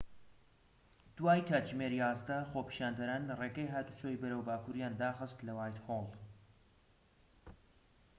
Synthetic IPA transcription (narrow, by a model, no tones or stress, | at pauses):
d̪̥waːjkʰaʒmeːɾijaːzd̪ɐxoːpi̥ʃaːnd̪ɐɾaːnlreːɡɐjɦaːt̪ut͡ʃʰoːjibɐɾəwbaːkʰuːɾijaːnd̪aːxɨst̪lɐwaːjt̪holˠ